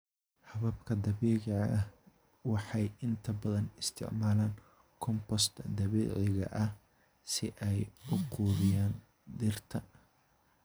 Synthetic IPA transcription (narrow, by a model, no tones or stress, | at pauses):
hɐβɐbkʰɐd̪ɐβɛːʕɪʕɐʔɐh | wɑħɑjɪnt̪ʰɐbɐðɐnɪst̪ʰɪ̰ʕmaːlaːŋ | kʰɔmpɔst̪ʰd̪ɐβɛ̰ːʕɪɣɐ̰ʔɐh | sɪʔɛjʊqʰuːðɪjaːn | d̪ɪrt̪ʰɐ